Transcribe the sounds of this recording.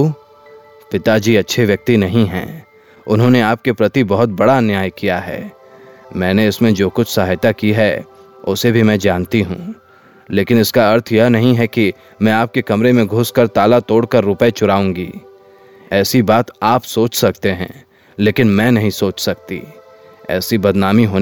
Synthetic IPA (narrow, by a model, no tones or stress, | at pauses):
pɪt̪ad͡ʒiːɐtːʃʰeʋjɐk̚t̪inɐɦĩɦɛ̰̃ː | ʊnɦõneaːp̚kepɾɐt̪ibɐɦʊt̪̚bɐɽaɐnjaːjkijaɦɛ̰ː | mɛ̃ːneɪsmẽd͡ʒoːkʊt͡ʃʰsɐɦajt̪akiɦɛ | ʊsebʱimɛ̃d͡ʒaːnt̪iɦṵ̃ː | leːkɪnɪskaɐɾt̪ʰjɐnɐɦĩɦɛki | mɛ̃aːp̚kekɐmɾemẽɡʱʊskɐɾt̪aːlat̪oːɽkɐɾːʊpəet͡ʃʊɾaːũːŋɡḭː | ɛːsibaːt̪aːpsoːt͡ʃsɐk̚t̪eɦɛ̰̃ː | leːkɪnmɛ̃ːnɐɦĩsoːt͡ʃsɐk̚t̪ḭ | ɛ̰ːsibɐd̪naːmiɦoː